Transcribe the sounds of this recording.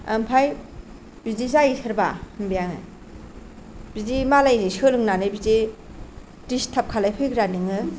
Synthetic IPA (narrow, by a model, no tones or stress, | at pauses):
ampʰaj | bizizaisʰɯɾbaɯmbijaŋɯ̰ | b̥izimalajzajsɯlɯŋnanɯjbizi | distʰap̚kʰalajpʰɯjɡɾanɯŋɯ